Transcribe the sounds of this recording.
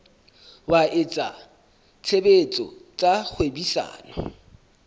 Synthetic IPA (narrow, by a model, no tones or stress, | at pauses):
waet͡sʼa | t͡sʰebet͡sʼɔ̰t͡sʼak͡xʰwebisa̰ːnɔ